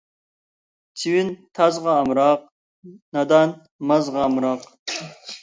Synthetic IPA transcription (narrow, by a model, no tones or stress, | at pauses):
t̪ʰiwint̪ʰɑzʁɑːmɾɑq̚ | nɑd̪ɑn | mɑzʁɑːmɾɑq